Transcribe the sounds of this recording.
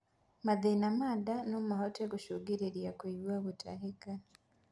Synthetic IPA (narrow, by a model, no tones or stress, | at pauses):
maðenamaːdanomuhoteɡuʃoɡeɾeɾjakweiwaβutʰa̰ɦika